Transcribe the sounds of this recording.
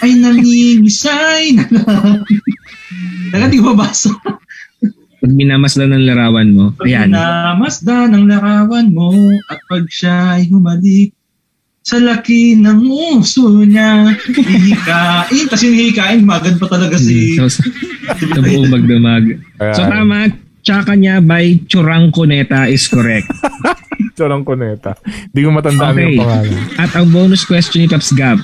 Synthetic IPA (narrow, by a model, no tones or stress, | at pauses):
ʔɐjnɐŋimɪsajnɐɡa | lɐɡad̪ɪɡmɐbaːso | pɐɡ̚mɪnaːmɐsd̪anɐŋlɐɾaːwɐnmokpɐɐɡjamnaːmɐsd̪anɐŋlɐɾaːwɐnmo̞ʔɐt̪̚pɐɡ̚ʃaʔɐjɦʊmɐlɪk̚ | sɐlɐkɪnɐŋʔosuːɾoɲɐɪhɪkaːʔɪnkɐsɛnɪhihɪkaːʔɪnɡʊmaːɡɐn̚pɐt̪ɐlɐɡasosɐsɐbʊʔobɐɡ̚d̪ɐmɐɡsot̪aːmɐ | t͡ʃaːkɐɲabɐjt͡ʃʊɾaŋkonɛːt̪ɐʔɪskoɾɛk̚t̪ | t͡ʃʊɾaŋkonɛːt̪ɐɪnd̪ikomɐt̪ɐnd̪oːakɛjalɐʔɐt̪ʔɐŋboːnʊskwɛst͡ʃonɪpɐpsɡap̚